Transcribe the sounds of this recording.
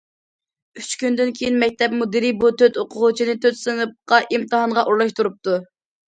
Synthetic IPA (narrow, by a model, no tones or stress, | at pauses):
yt͡ʃkʲynd̪ɪnkʲʰejinmɛk̚ʲt̪ʰɛpmud̪iɾibut̪ʰøt̪oqʰʊʁʊt͡ʃʰinɪt̪ʰøt̪sɨnɨp̚qɑʔimt̪ɨɦɑnʁɑʔuɾlˠɑʃt̪uɾup̚t̪u